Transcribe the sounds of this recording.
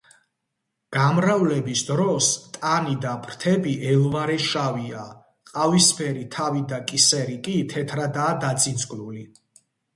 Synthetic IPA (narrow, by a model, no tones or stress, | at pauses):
ɡ̥amɾavlɛbisd̪ɾɔst̪ʼanid̪apʰɾt̪ʰɛbiʔɛlˠvaɾɛʃavia | qʼavispʰɛɾit̪ʰavid̪akʼisɛɾikʼit̪ʰɛt̪ʰɾad̪aːd̪at̪sʼinsʼɡʼluli